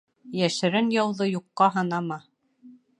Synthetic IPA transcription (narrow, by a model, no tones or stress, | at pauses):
jæʃɘ̆ɾɘnjɑwðɤjuqːɑɦɤ̆nɑmɑ